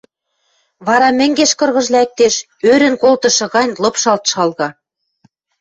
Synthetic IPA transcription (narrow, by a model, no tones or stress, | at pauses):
βɑɾɑmɘ̆ŋɡeʃkɤ̆rɣɤ̆ʒlæk̚t̪eʃ | øɾɘ̆nkolt̪ɤ̆ʃɤ̆ɣɑnʲlɤ̆pʃɑlt̪ʃɑlɣɑ